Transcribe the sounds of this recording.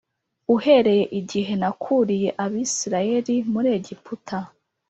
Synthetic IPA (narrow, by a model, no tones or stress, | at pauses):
uhe̞ɾe̞je̞ʔiɟiɦe̞nakʰuɾije̞ʔaβiːsiɾaje̞ɾimuɾeːɟiputʰa